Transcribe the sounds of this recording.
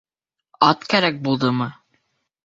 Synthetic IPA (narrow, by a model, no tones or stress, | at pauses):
ɑt̪kæɾæk̚bulˠd̪ɤmɤ